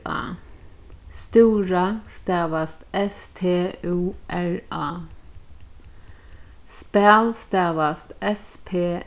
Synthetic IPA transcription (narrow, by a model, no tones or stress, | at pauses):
ɑ̰ː | st̪uːɹəst̪æːʋɑst̪ɛst̪ʰeːʔʉːʔæɹʔɑː | spæːlst̪æːʋɑst̪ʔɛspʰeː